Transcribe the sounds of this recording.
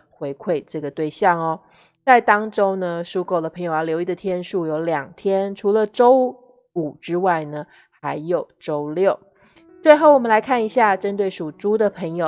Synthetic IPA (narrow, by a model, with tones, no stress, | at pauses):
xwe˧˥ɪkʰwe˥˧ɪʈ͡ʂɤ˥˩ɡə˩t̪we˥˧ɪɕjɑ˥˩ŋɔ˩ | t͡sa˥˩ɪt̪ɑ˥ŋʈ͡ʂo˥ʊnə˨ʂu˥ko˥˩ʊd̪ə˩pʰɤ˧˥ŋjo˨˩ʊa˧˥ljo˧˥ʊi˥˩d̪ə˨t̪ʰjɛ˥nʂu˥˩jo˧˥ʊljɑ˨˩ŋt̪ʰjɛ˥nʈ͡ʂʰu˧˥lə˧ʈ͡ʂo˥ʊ | u˨˩ʈ͡ʂɻ̩˥wa˥˩ɪnə˩ | xa˧˥ɪjo˨˩ʊʈ͡ʂo˥ʊljo˥˩ʊ | t͡swe˥˧ɪxo˥˩ʊwɔ˨˩mə˦la˧˥ɪkʰa˥˩ni˧˥ɕja˥˧ʈ͡ʂə˥nt̪we˥˩ɪʂu˨˩ʈ͡ʂu˥d̪ə˨pʰə˧˥ŋjo˨˩˦ʊ